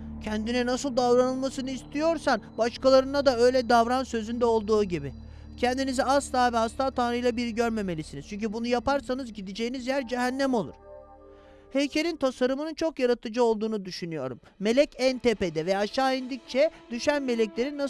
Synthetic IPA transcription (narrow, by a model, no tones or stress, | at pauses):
cʰɛnd̪inɛnasɯlˠd̪avɾanɯlˠmasɯnɯist̪ʰijo̞ɾsanbaʃkalˠaɾɯnad̪aø̞jlʲɛd̪avɾansø̞zynd̪ɛo̞lˠd̪uːɟibi | cʰɛnd̪iniziast̪ʰaːvɛast̪ʰaːt̪ʰanɾɯjlˠabiɾiɟøɾme̞me̞lʲisiniz̥t͡ʃʰyɲc̬ʰybunujapaɾsanɯzɟid̪id͡ʒejinizjæɾd͡ʒɛɦænːæmo̞lˠṵɾ̥ | hejcʰeɾʲint̪ʰasaɾɯmɯnɯnt͡ʃʰo̞kjaɾat̪ʰɯd͡ʒɯo̞lˠd̪uːnud̪yʃynyjo̞̰ɾṵmːe̞lʲɛcænt̪ʰeped̪ɛvɛaʃaːind̪ic̚t͡ʃʰɛd̪̥yʃænme̞lʲɛclʲe̞ɾinːa